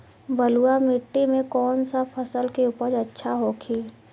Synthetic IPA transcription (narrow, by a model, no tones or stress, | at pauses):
bəluamɪʈːimẽkɔːnsapʰəsəlkeupəd͡ʒɐtːʃʰaɦokʰiː